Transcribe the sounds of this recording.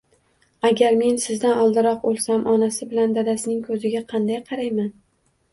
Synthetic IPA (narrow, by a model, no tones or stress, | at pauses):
aɡʲaɾme̞nsɪzd̪anɒlˠd̪ɪɾɒq̚bolˠsamʔɒnasɪbɪland̪ad̪asɪnɪŋkʰɵzɪɡʲaqʰɑnd̪ajqʰɑɾajman